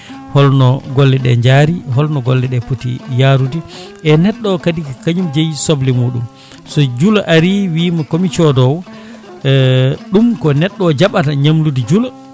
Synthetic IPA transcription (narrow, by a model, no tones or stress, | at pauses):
hɔlnɔɡolːɛɗɛ̰ɲd͡ʒaːɾiɦɔlnɔɡolːɛɗɛputḭjaɾudiʔɛnɛɗːɔkadikakaɲumd͡ʒɛjsoblimuːɗum | sɔd͡ʒulaʔaɾiwiːmakomit͡ʃɔdɔw | ɗumkɔnɛɗːɔd͡ʒaɓataɲamludid͡ʒula